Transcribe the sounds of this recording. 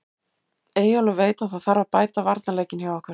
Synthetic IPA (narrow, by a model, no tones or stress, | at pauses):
eːjalʏveːjt̪aθaðθaɾaðpaːjt̪avaɾt̪naleːjcɪnhjawɔhkʰvɛɾ